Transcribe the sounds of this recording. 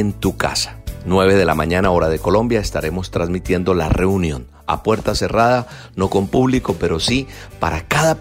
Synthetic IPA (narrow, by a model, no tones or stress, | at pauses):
nt̪uka̰sḁnweβ̞e̞ðe̞lamãɲanao̞ɾaðe̞ko̞lõ̞mbjae̞st̪aɾe̞mo̞st̪ɾazmit̪je̞nd̪o̞la̰re̞unjo̞n | a̰pwe̞ɾt̪ase̞raða | no̞ko̞mpuβliko̞pe̞ɾo̞sipaɾakaða